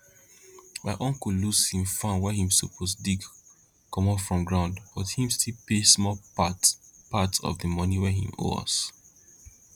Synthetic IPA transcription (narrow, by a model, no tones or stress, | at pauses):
maɪʔɔ̃ŋkulushĩmfãnwɛhĩmsopʰɔsdiɡ | kʰɔ̃mɔfɹɔ̃mɡɹãʊ̃ndb̥ɔthĩmstʰilpesmɔpatpatsɔ̰vdəmɔniwɛɦḭ̃mo̰ɔ̰s